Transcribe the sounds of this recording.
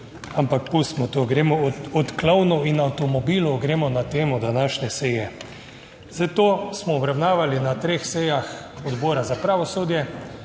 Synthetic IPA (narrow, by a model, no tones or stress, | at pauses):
ampakpust̪mɔt̪oɡɾeːmɔɔt̪klawnɔinawt̪ɔmɔbiːlɔɡɾeːmɔnat̪eːmɔd̪anaːʃnɛsɛjɛ | zat̪oːsmɔːbɾawnaːʋalinat̪ɾeːxsɛjax | ɔd̪boːɾazapɾaːʋɔsoːd̪jɛ